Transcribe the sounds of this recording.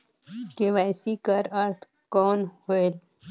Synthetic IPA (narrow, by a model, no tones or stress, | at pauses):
keʋaːjsikɐɾɐɾt̪ʰ | koːnhoel